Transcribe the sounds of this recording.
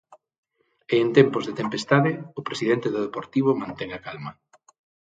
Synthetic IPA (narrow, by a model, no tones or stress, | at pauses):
eːnt̪ɛmpʊzðet̪empest̪aðɪʊpɾesiðɛnt̪ɪðʊðepoɾt̪iβ̞ʊmãnt̪ɛŋakalmɐ